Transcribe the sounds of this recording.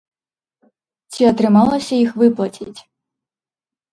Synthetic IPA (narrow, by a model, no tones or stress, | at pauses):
t͡sʲiɔt̪ɾɨmɑlˠɐsʲɐixvɨplˠɐtʲʰitʲ